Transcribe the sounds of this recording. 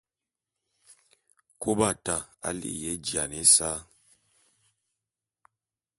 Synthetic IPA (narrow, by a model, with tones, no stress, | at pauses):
ko˦ba˦˨ta˨a̰˦lḭ˦ʔjɛ˨˦d͡ʒja˨ne˦sa˦